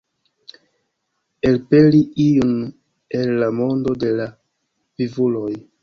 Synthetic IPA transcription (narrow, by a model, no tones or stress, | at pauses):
elpe̞liion | e̞lːamo̞ndo̞de̞la | vivulo̞j